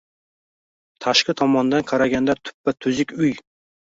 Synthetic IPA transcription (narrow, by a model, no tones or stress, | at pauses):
t̪ʰaʃqɨt̪ʰɒmɒnd̪anqʰɑɾaɡʲand̪at̪ʰʊ̥pːat̪ʰʊzɪkʲʊj